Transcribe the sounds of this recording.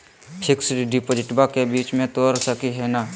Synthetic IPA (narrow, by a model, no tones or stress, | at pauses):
pʰɪksɖɪpoːd͡ʒɪʈbakebiːt͡ʃmẽt̪oːɾsəkiɦɛːnaː